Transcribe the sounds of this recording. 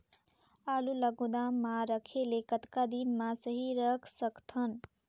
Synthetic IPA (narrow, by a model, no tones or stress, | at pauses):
aluləɡud̪amːãɾəkʰelekət̪kad̪inmãsəɦiɾəkʰsəkt̪ʰən